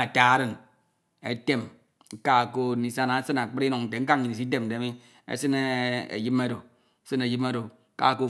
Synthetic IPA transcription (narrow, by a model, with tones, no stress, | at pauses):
a˨ta˨˦ɾɨ˦n | ḛ˦te˦m̩˦ | ka˦˨ko˦˨ni˨sa˦na˨˦sɨ˦na˨k͡pɨ˦ɾi˦nu˨ŋn̩˨te˨ŋ̩˦ka˦ŋ˨ɲi˨ni˨s̬i˦t̬e˦m̩˨de˨˦mi˦ | ḛ˦sɨ˦ne˦ḛ˨ji˦me˦ɾo˨˦ | sɨ˦ne˨ji˦m˦e˦ɾo˨˦ | ka̰˦˨ko˦˨